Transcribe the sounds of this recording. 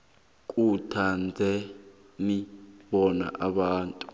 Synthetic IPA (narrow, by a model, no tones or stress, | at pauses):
k̬ʼutʰand͡zʱɛ | niɓɔna̰ʔaɓaːntʼu